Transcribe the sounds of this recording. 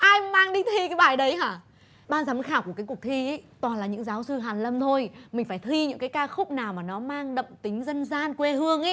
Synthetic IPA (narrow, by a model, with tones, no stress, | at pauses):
ʔaː˧jmaː˧ŋɗi˧t̪ʰwi˧kaː˨˦jɓaː˧˨˩jɗə˨˦jɦaː˧˩ | ɓaː˧nzaː˨˦mɨ̰˨˧˥jxaː˧˩wkəkːkək̚t̪ʰi˧ʔə˨˦jt̪waː˨˩nlaː˨˩ɲɨ̰˧˥ŋzaː˨˦wsɨ˧ɦaː˨˩nlə˧mt̪ʰo˧jmï̟˨˩faː˧˩jt̪ʰwi˧ɲɨ̰˧˥ŋkaː˨˦jkaː˧xʊ˦˥k͡p̚naː˨˩wmaː˨˩nɔ˨˦maː˧ŋɗə̰˧˨ŋ͡mt̪ï˨˦ŋ̟zə˧nzaː˧nkwe˧hɨ˧əŋʔɛ˨˦